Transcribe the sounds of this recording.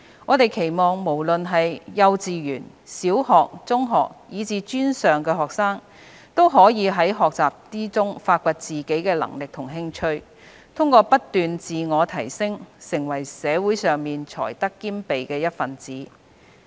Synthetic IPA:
ŋɔː˨˧t̪e˨jkʰe˨˩jmɔː˨ŋmo˨˩wlɵ˨nɦɐ˨jjɐ˧wt͡siː˨jyː˨˩n | siː˨˥whɔː˨k̚t͡sʊ˥ŋɦɔ̰ː˨k̚jiː˨˧t͡siː˨˧t͡ʃyː˥nsœː˨ŋkɛː˧ɦɔː˨ksaː˥ŋ | t̪o˥wɦɔː˨˥jiː˨˧ɦɐ˨˥jɦɔː˨k̚t͡saː˨p̚t̪iː˥t͡sʊ˥ŋfaː˧t̚kʷɐ˨˧t̚t͡siː˨˩ke˨˥jkɛː˧lɐ̰˨˩ŋlɪ˨k̚t̪ʰʊ˨˩ŋɦɪ˥ŋt͡ʃʰɵ˥ɥ | t̪ʰʊ˥ŋkɔː˧pɐ˥tt̪ːyː˨nt͡siː˨ŋɔː˨˧t̪ʰɐ˨˩jsɪ˥ŋsɪ˨˩ŋwɐ˨˩jsɛː˨˧wu˨˥jsœː˨ŋmiː˨nt͡ʃʰɔ̰ː˨˩jt̪ɐ˥kːiː˥mpe˨jkɛː˧jɐ˥t̚fɐ˨nt͡siː˨˥

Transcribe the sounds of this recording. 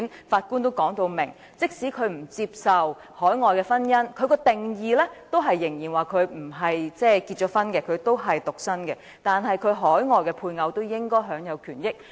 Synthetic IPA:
nfaː˧t̚kuː˥nt̪o˥wkɔː˨˥ŋt̪o˧wmɪ̰˨˩ŋ | t͡sɪ˥k̚siː˨˥kʰɵ˨˧ɥm̩˨˩t͡siː˧p̚sɐ˨w | hɔː˨˥jŋɔː˨jkɛː˧fɐ˥njɐ˥nkʰɵ˨˧ɥkɔː˧t̪ɪ˨ŋjiː˨lɛː˥t̪o˥wɦɐ˨jːɪ˨˩ŋjiː˨˩nwaː˨˩kʰɵ˨˧ɥm̩˨˩ɦɐ˨jt͡sɛː˥˩kiː˧t̚t͡ʃɔː˨˥fɐ˥nkɛ˧kʰɵ˨˧ɥt̪o˥wɦɐ˨jt̪ʊ˨k̚sɐ˥nkɛ˧ | t̪aː˨nɦɐ˨jkʰɵ˨˧ɥɦɔː˨˥jŋɔː˨jkɛ˧pʰuː˧jŋɐ˨˧wt̪o˥wjɪ˥ŋkɔː˥jɦœː˨˥ŋjɐ˨˧wkʰyː˨˩njɪ˥k̚

